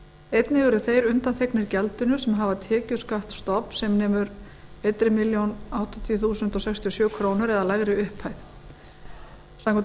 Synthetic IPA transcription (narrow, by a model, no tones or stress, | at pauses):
ejt̪nɪvɛɾʏθejɾʏnt̪ant̪ʰeknɪɾcɛlt̪ʏnʏsɛmɦavat̪ʰɛːcʏskaht̪st̪ɔpsɛmnɛːmʏɾ | ejt̪ɾɪmɪljownawht̪ɪt̪ʰijɔθuːsʏnt̪ɔsɛkst̪ʰiɔsjœːkʰɾownʏɾɛðalaɣɾɪʏhpʰhajθ | samkʰ